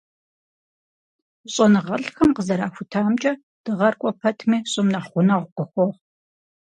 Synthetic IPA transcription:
ɕʼɐnɨʁɐɬxɐmqəzɐɾaːxʷʊtʰaːmt͡ʃʼɐ | d̥ɨʁɐrkʷʼɔpʰɐtʰmiːɕʼɨmnɐħχʷʊnɐʁʷʊqəxʷɔʁ

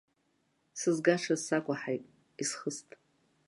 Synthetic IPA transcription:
sɨzɡaʂʰazsakʷʼaħajtʼ | isχəstʼ

